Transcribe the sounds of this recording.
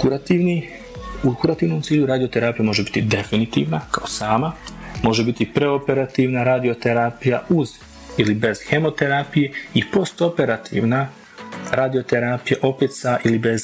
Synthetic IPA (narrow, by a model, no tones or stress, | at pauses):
kuɾat̪iʋni | ukuɾat̪iːʋnomt̪siːʎuɾaːd̪ijo̞t̪e̞ɾaːpijamo̞ʒebi̥t̪id̪e̞finit̪ḭːʋnakaosaːmamo̞ʒebit̪ipɾe̞ope̞ɾat̪iːʋnaɾaːd̪io̞t̪eɾaːpija̰uz | ilibe̞z̥xe̞mo̞t̪e̞ɾaːpije̞ipo̞st̪o̞pe̞ɾat̪ʰḭːʋna | ɾaːd̪io̞t̪e̞ɾaːpijaʔo̞pet̪saʔilibe̞z